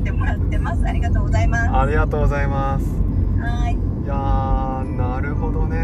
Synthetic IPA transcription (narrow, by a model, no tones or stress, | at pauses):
t̪emoɾat̪ːe̞masɨaɾʲiɡat̪oːɡozaimaaɾʲiɡat̪o̞ːɡo̞zaimasɨ̥hai | ja | naɾɯ̟ho̞d̪o̞ne̞